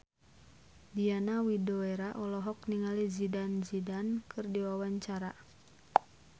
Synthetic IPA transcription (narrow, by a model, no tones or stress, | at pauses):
dianawidoeɾaʔɔlɔɦɔkniŋalizidanzidankʰɨrdiwawaɲt͡ʃaɾa